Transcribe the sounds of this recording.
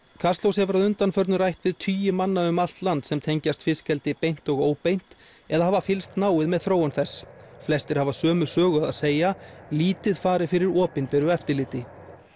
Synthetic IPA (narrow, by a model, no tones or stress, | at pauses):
kʰast̪lowshɛvʏɾaðʏnt̪anfœɾt̪nʏrajht̪vɪðt̪ʰyːjʏmanːaʏmal̥t̪lant̪sɛmt̪ʰejɲcast̪fɪscɛlt̪ɪpejn̥t̪ɔɣoːwpejn̥t̪ | ɛðahaːvafɪlst̪naːwɪðmɛðθɾoːwʏnθɛsːflɛst̪ɪɾ̥havasœːmʏsœːɣʏaða̰ðseːjaliːt̪ɪðfaːɾɪfɪɾɪɾɔːpɪnpɛɾʏɛft̪ɪɾlɪːt̪ɪ